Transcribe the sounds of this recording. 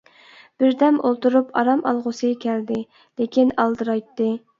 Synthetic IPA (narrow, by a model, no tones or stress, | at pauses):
b̥ɪɾd̪ɛmolˠt̪uɾupɑɾɑmɑ̰lˠʁʊsɨkʲʰɛld̪ɪ | lekʲinɑlˠd̪ɨɾɑjt̪ːɨ